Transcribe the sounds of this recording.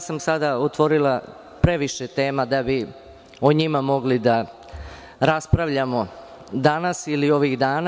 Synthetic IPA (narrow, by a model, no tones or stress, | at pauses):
samsad̪aot̪ʋo̞ɾilˠa | pɾe̞ʋiʃet̪e̞ːmad̪abi | oɲimamo̞ɡlid̪a | ɾaspɾaʋʎamo̞ | d̪anasilio̞ʋiɣd̪aːna